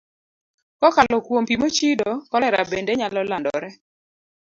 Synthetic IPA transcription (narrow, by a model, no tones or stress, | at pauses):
kɔkalɔkwompimot͡ʃidɔkɔlɛɾa̰bendeɲalɔlandɔ̰ɾɛ